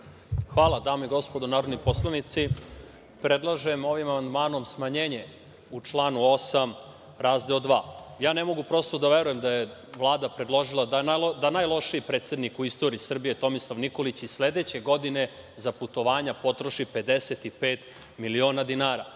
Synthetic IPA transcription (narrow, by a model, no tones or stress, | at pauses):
xʋaːlˠad̪aːmoiɡo̞spo̞d̪onaːɾod̪nipo̞slˠanit̪si | pɾe̞d̪lˠaʒe̞mo̞ʋimamand̪maːno̞msmaɲeːɲe̞ | ut͡ʂlˠaːnuo̞sam | ɾaːzd̪eod̪ʋaːjaːne̞mo̞ɡupɾo̞st̪o̞d̪aʋe̞ɾuje̞md̪aje̞ʋlˠaːd̪apɾed̪lˠo̞ʒilˠad̪anad̪anajlˠo̞ʃiipɾe̞ːt̪sʲe̞d̪nikuist̪o̞ɾiisr̩bijet̪o̞mislˠaʋniko̞lit͡ɕizssle̞d̪e̞t͡ɕeɡo̞d̪ine̞ | zaput̪o̞ʋaːɲapo̞t̪ɾo̞ʃipe̞d̪e̞se̞t̪ipeːt̪ | milio̞ːnad̪inaːɾa̰